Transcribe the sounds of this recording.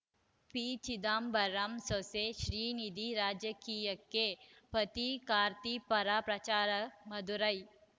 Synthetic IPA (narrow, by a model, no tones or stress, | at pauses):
pit͡ʃid̪aːmbɐɾamsoseʃɾiːnid̪ʱiɾaːd͡ʒɐkiːjɐkːepɐt̪ikaːɾt̪ipɐɾaːpɾɐt͡ʃaːɾɐmɐd̪uɾɐj